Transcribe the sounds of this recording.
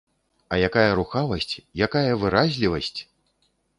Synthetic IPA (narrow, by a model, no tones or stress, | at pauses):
ɐjakajɐɾuxavɐsʲt͡sʲjakajɐvɨɾazʲlʲivɐsʲt͡sʲ